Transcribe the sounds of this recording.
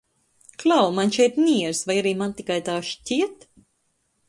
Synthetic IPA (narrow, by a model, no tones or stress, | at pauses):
klˠawmanʃɛjp̪nʲiɛɾsvajaɾiːmant̪ikajt̪aːʃciɛt̪